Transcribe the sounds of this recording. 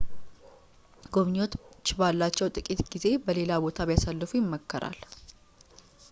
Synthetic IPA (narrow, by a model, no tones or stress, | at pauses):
ɡo̞βɲo̞t̪t͡ʃːbalːat͡ʃːɛwt̪ʼɨkʼit̪ɡize̞bəle̞labo̞t̪ʰaβjasalːɨfujɪmːəkːəɾʔa̰l